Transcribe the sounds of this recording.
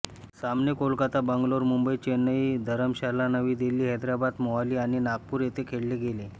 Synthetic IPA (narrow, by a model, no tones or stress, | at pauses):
samnekolkat̪abəŋɡloɾmumbəit͡ɕenəid̪ʱəɾəmɕalanəʋiːd̪elːiːɦɛd̪ɾabad̪mɔaliːaɽ̃inaɡ̚puːɾjet̪ekʰeɽleɡele